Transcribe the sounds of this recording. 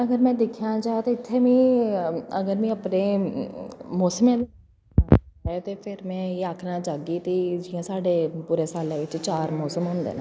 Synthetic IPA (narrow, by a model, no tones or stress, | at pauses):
əɡəɾmɛ̃ːd̪ekʰːjãːd͡ʒaːt̪eːɪt̪ʰːeːmĩː | əɡəɾmĩːəpneː | mɔːsəmjãːʋɪt͡ʃ | ɛːt̪eːpʰɪɾmɛ̃ːeːaːkʰnaːt͡ʃaːɡiːt̪eːd͡ʒiːãːsaːɖeːpuːɾeːsaːlãːʋɪt͡ʃt͡ʃaːɾmɔːsəmɦʊ̃ːnd̪ḛːnã